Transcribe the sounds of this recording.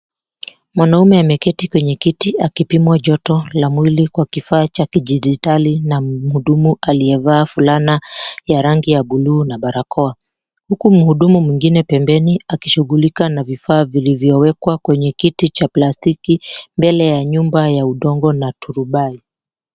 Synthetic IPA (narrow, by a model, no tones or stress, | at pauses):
mwanaumɛamɛkɛtikwɛɲɛkitiakipimwaʄɔtɔlamwilikwakifaːt͡ʃakiʄid͡ʒitalinam̩huɗumuʔaliɛvaːfulanajaɾaŋɡijaɓuluːnaɓaɾakʰɔa | hukum̩huɗumumwiŋɡinɛpɛmbɛniakiʃuɣulikanavifaːvilivjɔwɛkwakwɛɲɛkitit͡ʃaplastikimbɛlɛjaɲumbajauɗɔŋɡɔnatʰuɾuɓai